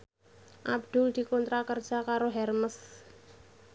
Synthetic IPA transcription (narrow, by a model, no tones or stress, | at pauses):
ʔab̚d̪̥ʊld̪̥i̤kɔnt̪ɾakərd̥ʒ̥a̤kaɾoɦɛrməs